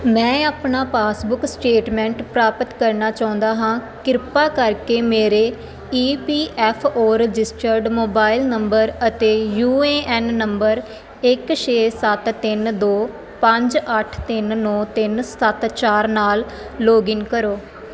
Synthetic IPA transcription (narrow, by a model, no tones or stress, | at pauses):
mɛ̃ːaːpnaːpaːsbʊksʈeːʈmɛ̃ːɳʈpɾaːpət̪kəɾnaːt͡ʃaːʊ̃nd̪aːɦãː | kɪɾpaːkəɾkeːmeːɾeː | iːpiːʔɛːpʰoːɾɪd͡ʒɪsʈəɾɖmoːbaːɪlnəmbəɾət̪eːjuːeːʔɛːnːəmbəɾ | ɪkʃeːsət̪t̪ːɪnd̪oː | pə̃ɲd͡ʒəʈʰt̪ɪnnɔ̃ːt̪ɪnsət̪t͡ʃaːɾnaːl | loːɡɪŋkəɾoː